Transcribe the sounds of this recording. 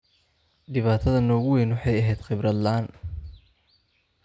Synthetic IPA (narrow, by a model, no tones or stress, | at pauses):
ɖɪβaːt̪ʰɐðɐnɔːɣʊwɛjnwʊħɑjɐɦɛjd̪̥χɪbrɐd̪laːn